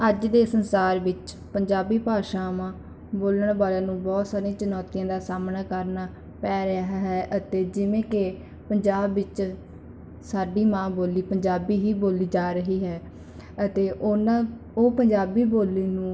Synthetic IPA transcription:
əd͡ʒd̪eːsənsaːɾʋɪt͡ʃ | pəɲd͡ʒaːbiːpaːʃãːmãː | boːləɳbaːlãːnũːbɔːt̪saːɾĩːt͡ʃənɔːt̪ijãːd̪aːsaːmnaːkəɾnaː | pɛːɾaːɦɦɛːʔət̪eːd͡ʒɪʋẽːkɪ | pəɲd͡ʒaːbʋɪt͡ʃ | saːɖiːmãːboːliːpəɲd͡ʒaːbiːɦiːboːliːd͡ʒaːɾəɦiːɦɛː | ət̪eːʔoːnãː | oːpəɲd͡ʒaːbiːboːlːiːnũː

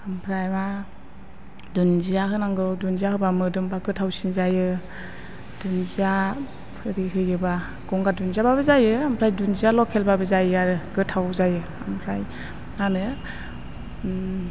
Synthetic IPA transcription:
ampʰɾajma | dunzijaɦɯnaŋɡɯwdunzijaɦɯbamɯdɯmbaɡɯtʰawsinzajɯ | d̥unzija | pʰɯɾiɦɯjɯba | ɡ̥ɔŋɡadunziababɯzajɯampʰɾajdunzijalɔkʰelbabɯzajɯaɾɯɡɯtʰawzajɯ | ampʰɾaj | anɯ

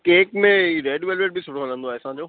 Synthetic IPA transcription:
keːkmẽɾeːɖʋelʋeʈ̚bʱisʊɽoːlə̃nd̪õɛːsãd͡ʒoː

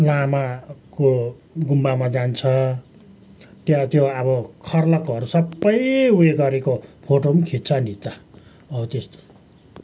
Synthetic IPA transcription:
lamako | ɡumbamad͡zant͡sʰʌ | t̪jʌt̪joʌbʌkʰʌrlʌkoɦʌɾusʌbːʌjueɡʌɾekopʰoʈomkʰit̪t͡sʰʌnit͡s̪a | ʌt̪est̪o̥

